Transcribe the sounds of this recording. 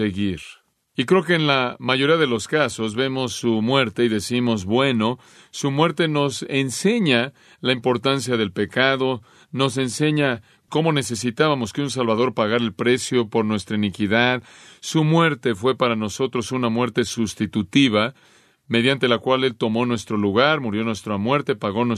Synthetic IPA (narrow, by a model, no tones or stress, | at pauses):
eɣiɾ | ikɾe̞ok̬e̞ːnlamaʝo̞ɾiaðe̞lo̞skaso̞zβe̞mo̞sumwe̞ɾt̪e̞iðe̞simo̞zβwe̞no̞ | sumwe̞ɾt̪e̞no̞se̞nse̞ɲa | laimpo̞ɾt̪ans̬jaðe̞lpe̞kað̞o̞ | no̞s̬e̞nse̞ɲa | ko̞mo̞ne̞se̞sit̪aβamo̞skeuns̬alβaðo̞ɾpaɣaɾaelpɾe̞sjo̞po̞ɾnwe̞st̪ɾainikiðað | sumwe̞ɾt̪e̞fwe̞paɾano̞so̞t̪ɾo̞sunamwe̞ɾt̪e̞sust̪it̪ut̪iβ̞a | me̞ðjant̪e̞lakwale̞lt̪o̞mo̞nwe̞st̪ɾo̞luɣaɾmuɾjo̞nwe̞st̪ɾamwe̞ɾt̪e̞paɣo̞n